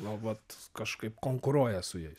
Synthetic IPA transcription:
nʊʋɐt̪kɐʃkɐɪpkoːŋkʊɾuɔjɛsʊjɛɪ

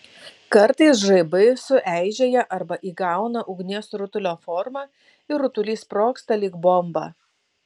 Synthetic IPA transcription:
kɐɾt̪ɐɪsʒɐɪbɐɪsʊʔæɪʒʲeːjɛʔɐɾbɐʔiːɡɑˑʊnɐʔʊɡnʲiɛsɾʊt̪ʊlʲoːfɔɾmɑː | ɪɾʊt̪ʊlʲiːspɾoːkst̪ɐlʲiːkbɔmbɑ̰ː

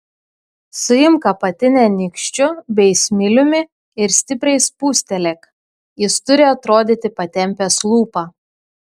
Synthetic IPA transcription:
sʊɪmkɐpɐt̪ʲɪnʲɛnʲɪkʃʲt͡ʃʲʊbʲɛɪsʲmʲɪlʲʊmʲɪ | ɪɾsʲt̪ʲɪpʲɾʲɛɪspuːsʲt̪ʲɛlʲɛk | jɪst̪ʊɾʲɪɐt̪ɾoːd̪ʲit̪ʲɪpɐt̪ʲɛmʲpʲɛslˠuːpɑː

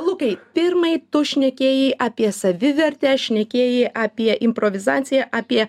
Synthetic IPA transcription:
lˠʊkɐɪpʲɪɾmɐɪt̪ʊʃʲnʲɛkʲeːjɛɪʔɑːpʲiɛsɐʋʲɪʋʲɛɾʲt̪ʲɛːʃʲnʲɛkʲeːjɛɪʔɑːpʲiɛʔɪmpɾoːʋʲɪzɑːt̪sʲɪjɛʔɑːpʲiɛ

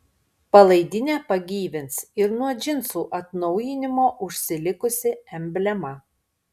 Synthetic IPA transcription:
pɐlˠɐɪd̪ʲɪnʲeːpɐɡʲiːʋʲɪnsɪɾnuɔd͡ʒʲɪnsuːʔɐt̪nɔʊjɪnʲɪmoːʔʊʃʲsʲɪlʲɪkʊsʲɪɛmʲbʲlʲɛmɐ

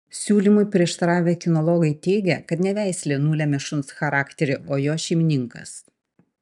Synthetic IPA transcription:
sʲuːlʲimʊɪpʲɾʲiɛʃt̪ɐɾɑːʋʲekʲɪnɔlˠɔːɡɐɪt̪ʲɛɪɡʲɛkɐt̪nʲɛʋʲæˑɪsʲlʲeːnuːlʲɛːmʲɛʃʊnsxɐɾɑːkt̪ʲɛɾʲɪoːjoːʃʲɛɪmʲɪnʲɪŋkɐ̰s

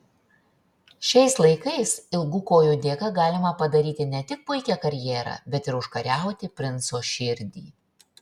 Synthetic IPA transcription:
ʃʲɛɪslˠɐɪkɐɪsɪlˠɡʊkoːjʊd̪ʲeːkɐɡɑːlʲɪmɐpɐd̪ɐɾʲiːt̪ʲɪnʲɛt̪ʲɪk̚pʊɪkʲɛkɐɾʲjɛːɾɐ̰ːbʲɛt̪ɪɾʊʃkɐɾʲæˑʊt̪ʲɪpʲɾʲɪnsoːʃʲɪɾʲd̪ʲḭː

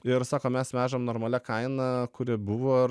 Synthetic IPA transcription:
ɪɾsɑːkoːmʲɛsmʲæːʒɐmnoːɾmɐlʲɛkɐɪnɐkʊɾʲɪbʊʋoː

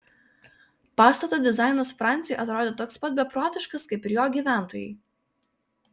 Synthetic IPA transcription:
pɑːst̪ɐt̪oːd̪ʲɪzɑˑɪnɐsfɾɑˑnʲt̪sʲɪjɔˑɪʔɐt̪ɾoːd̪ʲeːt̪oːkspɐt̪̚ʲbʲɛpɾoːt̪ʲɪʃkɐskɐɪpɪɾjoːɡʲiːʋʲæˑnt̪oːjɛ̰ɪ

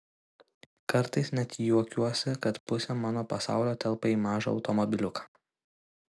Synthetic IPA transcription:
kɐɾt̪ɐɪsnʲɛt̪ʲjuɔkʲuɔsʲɪkɐt̪pʊsʲɛmɑːnoːpɐsɑ̰ˑʊlʲoːt̪ʲɛlˠpɐiːmɑːʒɐɒ̰ʊt̪ɔmɔbʲɪlʲʊkɑ̥ː

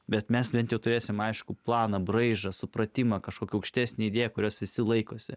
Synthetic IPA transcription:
bʲɛt̪mʲɛsbʲɛnt̪jɛʊt̪ʊɾʲeːsʲɪmɐɪʃkʊplˠɑːnɐbɾrɐɪʒɐsʊpɾɐt̪ʲɪmɐkɐʃkoːkʲɛɐʊkʃʲt̪ʲæːsʲnʲeid̪ʲeːjɛkʊɾʲoːsʋʲɪsʲɪlˠɐɪkoːsʲɪ

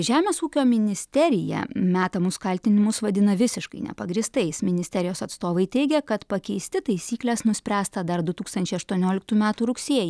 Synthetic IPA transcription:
ʒʲæːmʲeːsuːkʲoːmʲɪnʲɪsʲt̪ʲɛɾʲɪjɛ̰mʲæːt̪ɐmʊskɐlʲt̪ʲɪnʲɪmʊsʋɐd̪ʲɪnɐʋʲɪsʲɪʃkɐɪnʲɛ̰pɐɡɾʲiːst̪ɐɪsmʲɪnʲɪsʲt̪ʲɛɾʲɪjoːsɐt̪st̪oːʋɐɪt̪ʲɛɪɡʲɛkɐt̪pɐkʲɛɪsʲt̪ʲɪt̪ɐɪsʲiːklʲɛsnʊsʲpʲɾʲæːst̪ɐd̪ɐɾd̪ʊt̪uːkst̪ɐnʲt͡ʃʲɛɪɐʃt̪uɔnʲoːlʲɪk̚t̪uːmʲæːt̪uːɾʊksʲiɛj

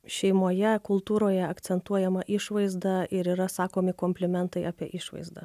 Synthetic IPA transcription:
ʃʲɛɪmoːjɛkʊlˠt̪uːɾoːjɛɐk̪sʲɛnt̪uɔjɛmɐʔɪʃʋɐɪzd̪ɐʔɪɾiːɾɐsɑːkoːmʲɪkoːmʲpʲlʲɪmʲɛnt̪ɐɪʔɑːpʲiɛʔɪʃʋɐ̰ɪzd̪ɐ̰

